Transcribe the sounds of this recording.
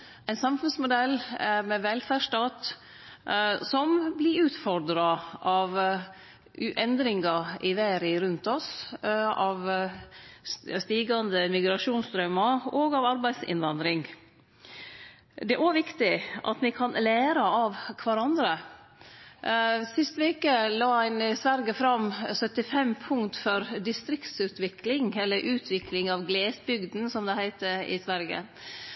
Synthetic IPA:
æɪnsɑmfʉnsmʊd̪ɛlːmɛʋɛlfæːʂʈɑːt̪ | sɔmblɪɾʉːt̪fɔɾd̪ɾɑʔɑʋ | ʔɛnd̪ɾɪŋɡɑʔɪʋæːɾɪɾʉnt̪ɔs | ɑʋ | st̪iːɡɑnd̪əmɪɡɾɑʂuːnst̪ɾœmɑoːɡɑʋɑɾbæɪsɪ̰nʋɑnd̪ɾɪŋ | d̪ɛʔoʋɪkt̪ɪʔɑ̰t̪mɪkʰɑnlæːɾəɑʋkʰʋɑɾɑnd̪ɾə | sɪst̪ʋeːkəlɑːæɪnɪsʋæɾɡəfɾɑmsœt̪ɪfɛmpʰʊŋt̪fɔɾd̪ɪst̪ɾɪkt̪sʉːt̪ʰʋɪklɪŋɛlːəɾʔʉːt̪ʰʋɪklɪŋɑʋɡleːsbʏɡd̪n̩sɔmd̪ɛhæɪt̪əɪ̰sʋæɾɡə̰

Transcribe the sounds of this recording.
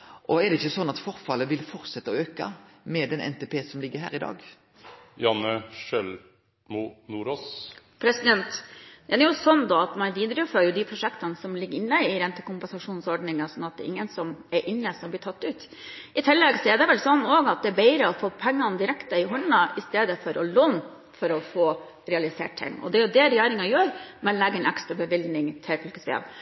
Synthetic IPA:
ʔɔɛɖ̪ɛɪçːəsɔnːɑt̪fɔɾfɑləʋɪlfɔɾt̪sɛt̪ːəɔøːkɑ̰mɛd̪ɛnʔɛ̰nt̪epʰeːsɔmlɪɡːəɾɦæ̰ːɾɪd̪ɑ̰ːɡ | jɑnəʃɛl | munuːɾoːs | pʰɾɛsɪd̪ɛnt̪d̪̥ɛnɛɾjʊsɔnːd̪oɑt̪mɑnʋiːd̪ɾʉfəɾjʊd̪ɪpʰɾʊʂɛkt̪ɑnəsɔmlɪɡːəɾɪnːəɪɾɛnt̪ːə̥kʊmpɛnsɑʂuːnsɔɖnɪŋɑsɔnːɑt̪̚d̪ɛ̰ʔɪŋːənsɔmɛɾʔɪnːəsɔmblɪːʈ̪ʰɑt̪ːʉːt̪ | ɪt̪ʰɪlːɛɡsɔɛɖ̪ɛʋɛlsɔnːoːɡɑt̪̚d̪ɛbæɪɾəɔfoːpʰɛŋːɑnd̪ɪɾɛkt̪əɪɦɔɳnɑʔɪst̪eːd̪əfɔɾʔɔloːn | fɔɾɔfoː | ɾɛɑlɪsḛːʈ̚t̪ʰɪ̰ŋːɔ̰d̪ɛæjʊd̪ɛɾɛjæːɾɪŋɑjøːɾmɛnlɛɡəɾɛnɑkst̪ɾɔbəʋɪld̪nɪŋt̪ʰɪlfœlkəsʋḛːm

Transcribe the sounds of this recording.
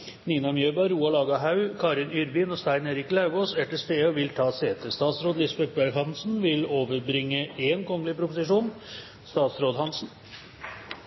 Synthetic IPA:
niːnɑmjøːbɑɾɾuːɑlɑːɡɑɦɑʉkʰɑːɾɪnʏɾbɪnɔst̪æɪneːɾɪklɑʉɡoːsɛʈəst̪eːɔʋɪlt̪ʰɑːseːt̪əst̪ɑːt̪sɾoːd̪lɪsbɛk̚bæɾhɑnsn̩ʋɪloːʋəɾbɾɪŋːəeːnkʰɔŋːəlɪpʰɾʊpʊsɪʂuːn | st̪ɑːt̪sɾoːd̪hɑnsn̩

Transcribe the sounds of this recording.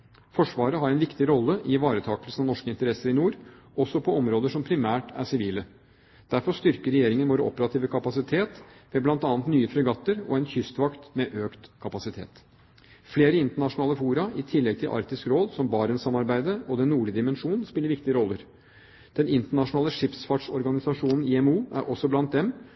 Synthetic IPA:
fɔʂʋɑːɾəɦɑɾɛnʋɪkt̪ɪɾɔlːəʔɪʋɑːɾət̪ʰɑːkəlsən̩ɑʋnɔʂkəɪnt̪əɾɛsːəɾɪnuːɾ | ɔsɔpʰɔɔmɾoːd̪əʂɔmpʰɾɪmæːʈæ̰ʂɪʋiːlə | d̪̥æɾfɔst̪ʏɾkəɾɛjeːɾɪŋənʋoːɾəɔ̰pəɾɑt̪ʰiːʋəkʰɑpɑsɪt̪ʰeːt̪ʋɛblɑnt̪ɑːnt̪nyːəfɾœɡɑt̪ːəɾɔ̰ɛnçʏst̪ʋɑkt̪mɛʔøːkt̪kʰɑpɑsɪt̪ʰḛːt̪ | fleːɾəɪnt̪əɳɑʂʊnɑːləfuːɾɑʔɪt̪ʰɪlːɛɡ̚t̪ʰɪlʔɑ̰ɾkt̪ɪskɾoːd̪sɔmbɑːɾənsɑmɑɾbæɪd̪əɔd̪ɛnːuːɭəd̪ɪmɛnʂuːnn̩spɪləɾʋɪk̚t̪ɪəɾɔlːəɾ | d̪̥ɛnɪnt̪əɳɑʂʊnɑːləʂɪpsfɑʈʂɔɾɡɑnɪsɑʂuːnn̩ɪɛmuːæ̰ɾʔɔsːɔblɑnt̪̚d̪ɛm

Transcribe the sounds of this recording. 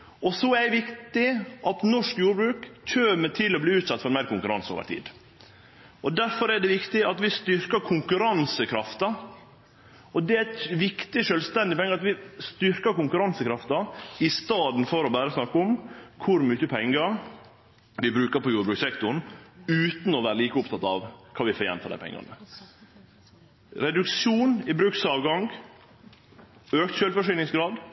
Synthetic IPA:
ɔsɔɛd̪ɛʋɪkt̪ɪʔɑt̪nɔʂkjuːɾbɾʉːkc͡çøːmət̪ʰɪlːɔbliːʉːt̪sɑt̪ːfɔɾmæɪɾkʊŋkʉɾɑ̰nso̰ːʋə̰ɾt̪ʰḭːd̪ | ʔɔd̪æɾfɔɾɛɖ̪ɛʋɪkt̪ɪɑt̪ʋɪst̪ʏɾkəkʰʊŋkʉɾɑnsəkʰɾɑft̪ɑ | ɔd̪ɛæt̪ʋɪkt̪ɪʃœːlst̪ɛnd̪ɪpʰɛŋːəɾɑt̪ʋɪst̪ʏɾkəɾkʊŋkʉɾɑnsəkʰɾɑft̪ɑɪst̪ɑːd̪n̩fɔɾɔbæːɾəsnɑkːʊmkʰʊɾmyːçəpʰɛŋːəɾ | ʋɪbɾʉːkəɾpɔjuːɾəbɾʉːksɛkt̪ʊɳ̩ʉːt̪n̩ɔʋæːɾəliːkəʊpt̪ʰɑt̪ːɑ̰ʋkʰɑːʋɪfoːjɛ̰nt̪ʰɑ̰d̪æ̰ɪpɛ̰ŋːɑ̰nə | ɾɛd̪ʉkʃjuːnɪbɾʉːksɑːʋɡɑŋɡ | øːkt̪ɕøːlfɔʂiːlɪŋsɡɾɑːd̪

